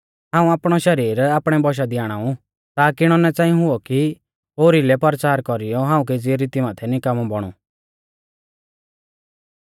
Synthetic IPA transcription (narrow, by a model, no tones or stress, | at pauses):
ɦãːũaːpɽ̃ɔʃɐɾiːɾaːpɽ̃ɛbɔʃ̬ad̪iaːɽ̃aːũ | t̪aːkiɽ̃ɔnɛt͡sãːĩɦʊɔki | ɦoːɾilɛpɐɾt͡ʃaːɾkɔɾijɔɦãːũked͡zɪɛɾit̪imaːt̪ʰɛnikamɔbɔɽ̃ṵ